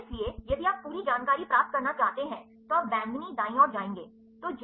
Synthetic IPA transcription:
sliejɐd̪ʱiaːpːuːɾid͡ʒaːnkaːɾipɾaːp̚t̪̚kɐɾnat͡ʃaːɦt̪eɦɛ̃ | t̪oaːp̚bɛ̃ːnd̪nid̪aːĩɔːɾd͡ʒaːẽːŋɡeː | t̪oːd͡ʒ

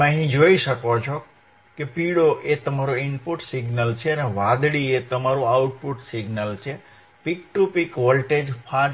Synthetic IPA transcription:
ẽəɦĩd͡ʒoiʃəkot͡ʃʰo | kepiɽoʔet̪əmaɾoinpuʈsiɡnəlt͡ʃʰeəneʋãd̪ɽiet̪əmaɾũawuʈ̚puʈsiɡnəlt͡ʃʰe | pikʈupikʋolʈed͡ʒpʰã

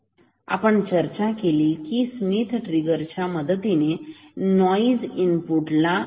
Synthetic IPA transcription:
a̰pəɳt͡ɕəɾt͡ɕakeliːkismit̪ʰʈɾiɡəɾt͡ɕjaməd̪ət̪inenɔid͡zimpuʈla

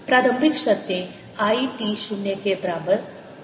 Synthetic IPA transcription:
pɾaɾəmbʱikɕɐt̪jẽ | aiʈiɕunjekebɾabət̪

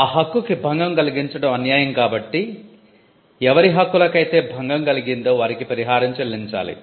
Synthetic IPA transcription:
aːɦɐkːukibʱɐŋɡɐmɡɐliɡiɲt͡ʃɐɽɐmɐnjaːjɐmkaːbɐʈːi | ɛʋɐɾiɦɐkːulɐkɐjt̪e̞ːbʱɐŋɡɐmɡɐliɡind̪o̞ːʋaːɾikipɐɾiɦaːɾɐmt͡ʃɐlːiɲt͡ʃa̰ːlḭ

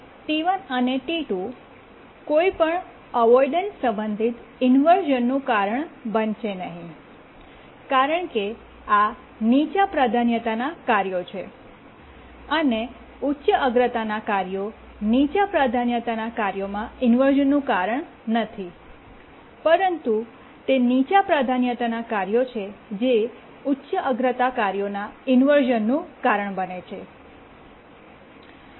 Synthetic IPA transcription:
t̪iʋənəneʈiʈu | koipəɳ | əʋɔiɖənsə̃mbənd̪ʱit̪ | ɪnʋəɾʒənːũkaɾəɳbənʃenəɦĩ | kaɾəɳke | a | nit͡ʃapɾad̪ʱanjət̪anakaɾjot͡ʃʰe | əne | utːʃəəɡɾət̪anakaɾjo | nit͡ʃapɾad̪ʱanjət̪anakaɾjomãɪnʋəɾʒənːũkaɾəɳ | nət̪ʰi | pəɾənt̪u | t̪enit͡ʃapɾad̪ʱanjət̪anakaɾjot͡ʃʰed͡ʒe | utːʃəʔəɡɾət̪akaɾjonaɪnʋəɾʒənːũkaɾəɳbənet͡ʃʰe

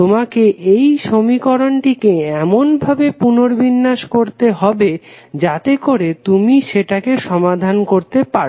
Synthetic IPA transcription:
t̪omakeʔejʃomikɔɾonʈikeɛmonbʱabepunoɾbʱinːaʃkoɾt̪eɦɔbe | d͡ʑat̪ekoɾet̪umiʃeʈakeʃɔmad̪ʱankoɾt̪epaɾ

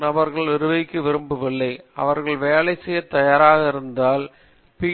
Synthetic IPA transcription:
nɐbɐɾɣɐɭʋɪɾɯʋɐɪkːɯʋɪɾɯmbɯʋɪɭːɐɪɐ̰ʋɐɾɣɐɭʋeːlɐɪsɛjːɐt̪ːɐjaːɾaːɣɐɪɾɯnd̪aːl | pi

